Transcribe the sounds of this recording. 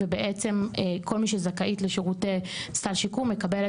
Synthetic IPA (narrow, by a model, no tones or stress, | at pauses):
ebeʔet͡se̞mekʰo̞lmiʃezakaʔitleʃeʁutest̪alʃikumːekabel